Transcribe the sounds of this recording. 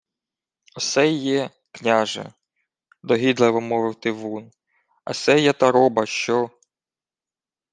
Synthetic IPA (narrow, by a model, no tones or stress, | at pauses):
ɔsɛjːɛ | knʲaʒɛ̰ | d̪ɔɦid̪lˠɛʋɔmɔʋɪwt̪ɪʋun | ɐ̰sɛjɛt̪ɐɾɔbɐʃt͡ʃɔ